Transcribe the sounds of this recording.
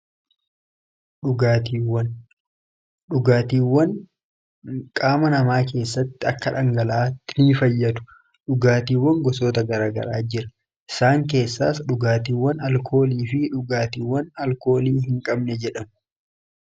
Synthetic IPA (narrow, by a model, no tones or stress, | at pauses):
ɗʊɡaːt̪iːwɐn | ɗʊɡaːt̪iːwːɐn | kʼaːmɐnɐmaːk̬e̞ːsːɐt̪ːɪɐkːɐᶑɐŋɡɐlɐaːt̪ːɪniːfɐjːɐt̪ʊ̥ | ᶑʊɡaːt̪iːwːɐŋɡɔsoːt̪ɐɡɐɾaːɡɐ̰ɾaːd͡ʒɪɾɐ̥ | ʔɪsaːŋk̬e̞ːsːaːsᶑʊɡaːt̪iːwːɐnɐlkʰo̞ːliːfɪᶑʊɡaːt̪iːwːɐnɐlko̞ːliːhɪŋkʼɐbnɛd͡ʒɛᶑɐm